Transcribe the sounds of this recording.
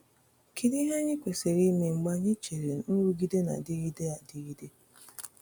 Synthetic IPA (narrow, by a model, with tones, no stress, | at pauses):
kʰi˨di˦ɦe˦ɲɪ˦kʷe˨se˨ɾi˦me˨ŋ͡m̩˨ɡ͡ba˦ɲɪ˦t͡ʃe˨ɾe˨nʊ˦ɾu˦ɡi˦de˦na̰˨dɪ˦ɣi˦de˦a˨dɪ˦ɣi˦de˦